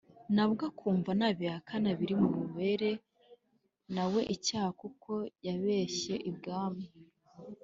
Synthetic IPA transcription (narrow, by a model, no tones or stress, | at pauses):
naβɡakʰuːɱvanaβiakʰanaβiɾimuβuβe̞ɾe̞ | nawe̞ʔicaːhakukʰo̞jaβe̞ːʃe̞ʔibɡaːmi